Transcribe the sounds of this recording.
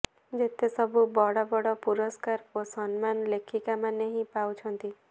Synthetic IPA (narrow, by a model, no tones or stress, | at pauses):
d͡ʒet̪esɔbʱubɔɽɔbɔɽɔpuɾɔskaɾosɔnmanlekʰikamaneɦĩpawt͡ʃʰɔnt̪i